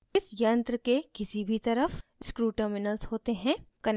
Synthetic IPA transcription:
ɪsjɐ̃nt̪ɾəkekɪsibʱit̪ɐɾəfskɾuːʈəɾmɪnəlshoːt̪eɦɛ̃kɐn

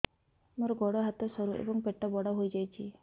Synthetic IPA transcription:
moɾɔɡɔɽɔɦat̪ɔsɔɾuḛbɔŋpeʈːɔbɔɽaɦojd͡ʒajt͡ʃʰi

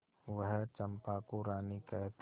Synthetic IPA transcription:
ʋəɦt͡ʃə̃mpakoɾaːnikɛɦt̪

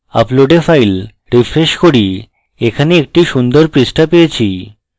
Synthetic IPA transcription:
a̰ploɖefajl | ɾifɾeʃkoɾi | ekʰaneek̚ʈiʃund̪oɾpɾisʈapejet͡ɕʰi

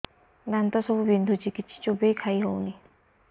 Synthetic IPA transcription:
d̪ant̪ɔsɔbubind̪ʱut͡ʃʰikit͡ʃʰi̥t͡ʃobejkʰajɦowni

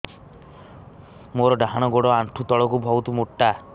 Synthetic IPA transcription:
moɾɔɖaɦaɽ̃ɔɡoɽɔaɳʈʰut̪ɔɭɔkubʱɔwt̪umoʈːa

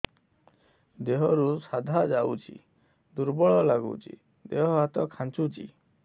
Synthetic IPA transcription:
d̪eɦɔɾusad̪ʱad͡ʒawt͡ʃʰḭ | d̪uɾbɔɭɔlaɡṵt͡ʃʰḭ | d̪eɦɔɦat̪ɔkʰãnt͡ʃut͡ʃʰḭ

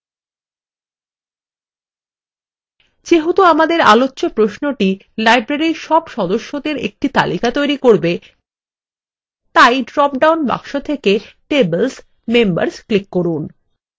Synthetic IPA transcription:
d͡ʑeɦot̪oamad̪eɾa̰lotːɕopɾoʃnoʈi | lajbɾeɾiʃɔbʃɔd̪oʃːod̪eɾḛk̚ʈit̪a̰likat̪ojɾikoɾbe | t̪ajɖɾɔp̚ɖawnba̰kʃot̪ʰekeʈebels | memba̰ɾsklikːoɾun

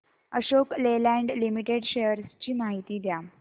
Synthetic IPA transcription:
əɕoklelæ̃ɳɖlimiʈeɽɕejəɾst͡ɕiːmaɦit̪iːd̪ja

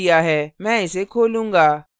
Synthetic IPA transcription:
jaɦɛmɛisɛkʰoluŋɡa

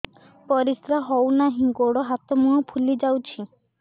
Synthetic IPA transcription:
pɔɾist̪ɾaɦɔwnaɦĩɡoɽɔɦat̪ɔmuɦɔpʰulid͡ʒawt͡ʃʰi

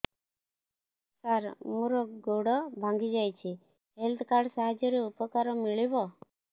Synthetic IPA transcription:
saɾmuɾokɡoɽɔbʱãŋɡid͡ʒajt͡ɕʰi | ɦelt̪ʰkaɽsaɦad͡ʒɔɾiupəkaɾɔmiɭibɔ

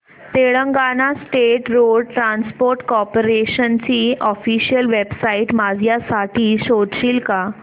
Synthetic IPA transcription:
t̪eɭəŋɡanasʈeʈɾoɖʈɾanspoɾʈkɔɾpəɾeɕənt͡ɕiːɔfiɕjəlʋebsaiʈmad͡zʱjasaʈiːɕod̪ɕilka

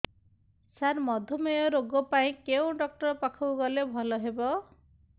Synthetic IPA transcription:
saɾmɔd̪ʱumejɔɾoɡɔpaĩkew̃ɖɔk̚ʈɔɾɔpakʰɔuɡɔlebʱɔlɔɦebɔ

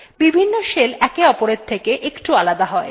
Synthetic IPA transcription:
bibʱinːoʃelɛkeɔpoɾeɾt̪ʰekeʔekʈualad̪aɦɔe

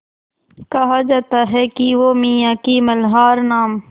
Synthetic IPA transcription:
kɐɦaːd͡ʒaːt̪aːɦɛkiʋoːmĩːjaːkimɐlɦaːɾnaːm

